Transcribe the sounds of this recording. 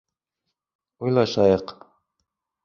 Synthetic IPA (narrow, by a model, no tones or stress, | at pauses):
ujlˠɑʃɑjɤq